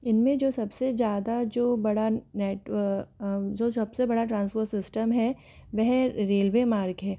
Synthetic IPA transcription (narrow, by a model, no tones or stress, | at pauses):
ɪnmẽd͡ʒoːsɐbsed͡ʒjaːd̪ad͡ʒoːbɐɽaneːʈʋə | d͡ʒoːsɐbsebɐɽaʈɾãːnspoːɾʈsɪsʈəmɦɛ | ʋɛɦɾeːlʋemaːɾkɦɛː